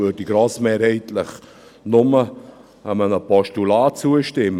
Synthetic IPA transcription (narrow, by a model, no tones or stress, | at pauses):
øɾdiɡɾɔːsmeːɾhɛɪtlɪχ | nʊmə | əmənəpɔʃtulaːt͡suəʃtɪm